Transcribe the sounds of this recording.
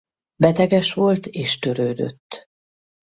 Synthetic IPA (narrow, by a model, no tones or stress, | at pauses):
bɛt̪ɛɡɛʃʋo̞lt̪eːʃt̪øɾøːd̪ø̰t̪ː